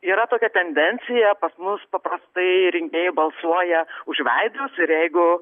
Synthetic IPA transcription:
iːɾɐt̪oːkʲɛt̪ʲɛnʲd̪ʲɛnʲt͡s̪ʲɪjɛpɐsmʊspɐpɾɐst̪ɐɪɾʲɪŋʲkʲeːjɪbɐlˠsuɔjɛʊʒʲʋʲɛɪd̪ʊsɪɾjɛɪɡʊ

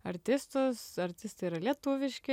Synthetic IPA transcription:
ɐɾʲt̪ʲɪst̪ʊsɐɾʲt̪ʲɪst̪ɐiɾɐlʲiɛt̪ʊʋʲɪʃʲkʲɪ

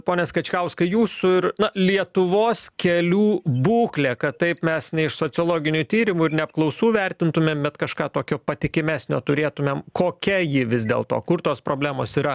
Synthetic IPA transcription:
poːnʲɛskɐt͡ʃʲkɐʊskɐɪjuːsʊɪɾnɐlʲiɛt̪ʊʋoːskʲɛlʲuːbuːklʲeːkɐtt̪ɐɪpmʲɛsnʲɛɪʃsoːt͡s̪ʲɨoːlˠoːɡʲɪnʲut̪ʲiːɾʲɪmuːɪɾnʲɛɐp̚klˠɐʊsuːʋʲɛɾʲt̪ʲɪnt̪ʊmʲeːmbʲɛt̪kɐʃkɑːt̪oːkʲoːpɐt̪ʲɪkʲɪmʲæːsʲnʲo̰ːt̪ʊɾʲeːt̪ʊmʲeːmkoːkʲɛjɪʋʲɪzd̪ʲḛːlˠt̪o̰ːkʊrt̪oːspɾoːbʲlʲæːmoːsiːɾɐ

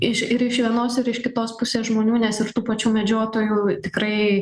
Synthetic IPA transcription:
ɪʃɪɾɪʃʋʲiɛnoːsɪɾɪʃkʲɪt̪oːspʊsʲeːsʒmoːnʲuːnʲɛsɪɾt̪uːpɐt͡ʃʲuːmʲɛd͡ʒʲoːt̪oːjuːt̪ʲɪkrɐɪ

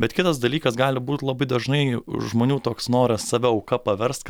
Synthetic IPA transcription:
bʲɛt̪kʲɪt̪ɐsd̪ɐlʲiːkɐsɡɑːlʲɪbuːt̪lˠɐbɐɪd̪ɐʒnɐɪʒmoːnʲuːt̪oːksnoːɾʲɐssɑːʋʲɛɐʊkɐpɐʋʲɛɾst̪̚k

